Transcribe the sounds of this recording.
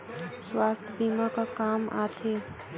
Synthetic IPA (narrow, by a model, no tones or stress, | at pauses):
swaːst̪ʰbiːmakakaːma̰ːt̪ʰeː